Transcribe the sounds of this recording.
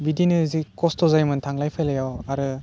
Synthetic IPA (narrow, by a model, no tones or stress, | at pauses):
bidinɯzikɔstʰɔzajmɯntʰaŋlajpʰajlajawaɾɯ